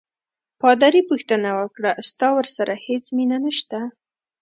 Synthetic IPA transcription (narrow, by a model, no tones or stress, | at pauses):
pɑd̪aɾipuxt̪ənawəkɽast̪ɑwəɾsaɾʔahet͡sminanəʃt̪a